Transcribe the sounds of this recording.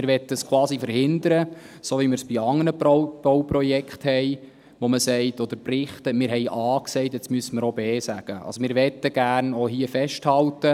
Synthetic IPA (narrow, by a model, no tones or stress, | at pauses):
mɪɾʋɛt̪ːəskʰwɑːsifəɾhɪnd̪əɾəsoːʋimɪɾsb̥iɑŋːənəpb̥ɔwprɔjɛkχthɛɪ | ʋoməsɛɪtɔd̪əɾprɪχt̪əmɪːɾɦɛjʔɑːksɛɪtɪt͡smyəsəməɾobeːsæɡ̥əʔɑ̰lsomɪːɾʋɛt̪ːəɡ̥æːrnoɦiəfɛʃthɑltə